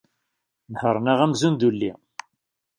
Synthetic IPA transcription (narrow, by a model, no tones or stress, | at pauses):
məhəɾˤnaʁæmzund̪ulːi